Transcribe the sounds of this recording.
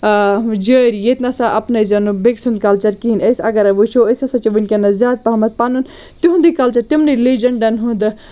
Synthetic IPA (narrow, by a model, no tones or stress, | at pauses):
d͡ʒəɾjet̪nɐsaʔɐpnɐjzɐnubeksund̪̚kɐlt͡ʃɐɾkiinɐjsɐɡɐɾɐbut͡ʃʰoəsɐsɐt͡ʃiʋɨnʲkʲɐnɐzjaːd̪̚pɐɦɐmɐt̪̚panun | t̪iɦũnd̪ikɐlt͡ʃɐɾt̪imnilid͡ʒɐɳɖɐnɦũnd̪ɨ